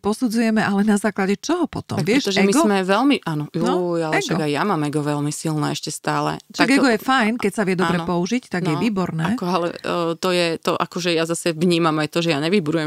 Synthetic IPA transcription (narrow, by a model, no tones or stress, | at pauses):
pɔsud͡zujɛmɛʔalɛnazaːklaɟɛt͡ʃɔɦɔpɔt̪ɔ̰mʋɪɛʃɔʒɛmiɡzɔmɛʋɛlmiʔanɔjujalɛɡ̪aɔɡajjamaːmɛɡɔʋɛlmisilnɛ̰ːɛʃcɛst̪aːlɛ̰t̪aɡɛɡɔjɛfajnkɛcsaʋɪɛd̪ɔbɾɛpɔuʒict̪aɡjɛʋiːbɔɾnɛːkɔalɛ̰t̪ɔjɛt̪ɔʔakɔʒɛjazasɛvɲiːmamajt̪ɔʒɛjaɲɛʋibuɾujɛm